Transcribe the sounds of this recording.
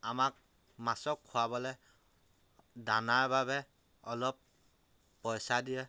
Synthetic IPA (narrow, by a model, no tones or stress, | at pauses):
amak̚ | masɔkʰːuabɔlɛ | danaɹbabɛ | ɔlɔpː | ɔjsadiɛ